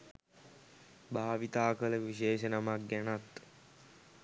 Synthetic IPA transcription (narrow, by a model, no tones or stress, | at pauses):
bʱaːʋit̪aːkələʋiʃeːʃənamak̚ɡænat̪